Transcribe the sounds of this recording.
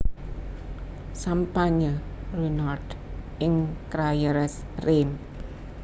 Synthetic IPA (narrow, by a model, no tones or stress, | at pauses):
sampaɲərunard | ɪŋkɾajəɾɛs | rem